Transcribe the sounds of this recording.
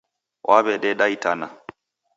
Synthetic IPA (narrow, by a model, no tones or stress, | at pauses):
wʔaβɛɗɛɗaitana̰